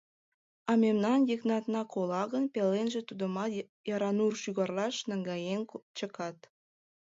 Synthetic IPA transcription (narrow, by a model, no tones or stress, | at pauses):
ɑmemnɑnjəknɑt̪nɑkolɑɣənpelenʒĕt̪ud̪ə̆mɑt̪ | jɑɾɑnurʃyɣɑrlɑʃnəŋɡɑjent͡ɕəkɑt̪